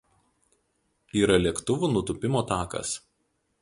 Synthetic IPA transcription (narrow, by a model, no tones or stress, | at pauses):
iːɾɐlʲiɛkt̪ʊʋuːnʊt̪ʊpʲɪmoːt̪ɑːkɐ̰s